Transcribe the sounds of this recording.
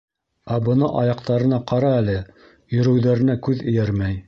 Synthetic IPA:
æbɤ̆nɤʔɑjɑqt̪ɑɾɤ̆nɑqɑɾɑælɘ | jɵ̆ɾɵ̆wðæɾɘ̆nækʉðɘ̆jæɾmæj

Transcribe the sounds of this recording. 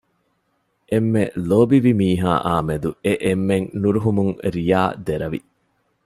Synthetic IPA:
ʔemːeloːbiʋimiːɦa̰ːʔaːmed̪ueʔemːeŋnuɾuɦumuŋɾijaːd̪eɾɐʋḭ

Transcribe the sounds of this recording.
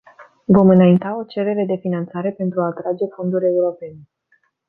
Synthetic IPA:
vo̞mɨnaint̪ao̞t͡ʃe̞ɾe̞ɾe̞d̪e̞finant̪saɾe̞pe̞nt̪ɾuaːt̪ɾad͡ʒe̞fo̞nd̪uɾʲe̞uɾo̞pe̞ne

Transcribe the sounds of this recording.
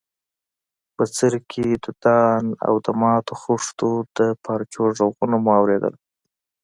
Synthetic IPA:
pət͡səɾkʰed̪əd̪̥ɑna̰wd̪əmɑt̪oxuʂt̪od̪əpɑɾt͡ʃoʒoɣunamuawɾed̪ə̰l

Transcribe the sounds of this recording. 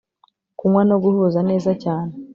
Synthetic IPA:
kuŋwanoɡuhuzane̞ːzacaːne

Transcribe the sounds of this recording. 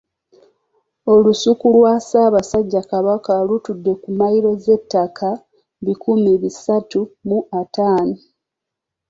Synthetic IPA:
o̞lusukulwasaːβasaɟːakaβakalutudːe̞kumajiɾo̞ze̞tːakʰa | βikumiβisatumuʔataːno

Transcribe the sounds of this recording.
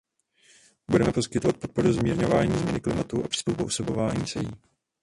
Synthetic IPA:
budɛmɛpo̞skɪt̪o̞vat̪̚po̞t̪̚po̞ɾuzmɲiːɾɲo̞vaːɲiːzmɲɛnɪklɪmat̪uʔapr̥ɪ̥st̪uwposobo̞vaːɲiːsɛjiː

